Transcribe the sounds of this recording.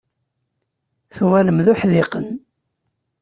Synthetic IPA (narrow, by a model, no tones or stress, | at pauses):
θwæləmðʊħðɪqən